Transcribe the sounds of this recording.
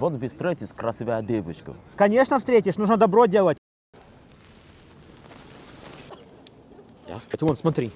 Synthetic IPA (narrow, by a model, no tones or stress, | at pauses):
vot̪bʲɪst̪ɾɛt̪ʲɪsʲkɾɐsʲɪvʲad̪ʲevɨt͡ʃkə̰kɐnʲe̞ʂnəfst̪ɾʲetʲɪʂnuʐnəd̪ɐbɾodʲelˠətʲ | d̪a̰bɛt̪ʲwɔnsmɐt̪ɾʲi